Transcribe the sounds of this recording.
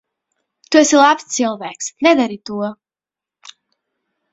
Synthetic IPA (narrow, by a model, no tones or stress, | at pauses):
t̪uɛsilˠapst̪silˠvæːksnɛd̪aɾit̪uɔ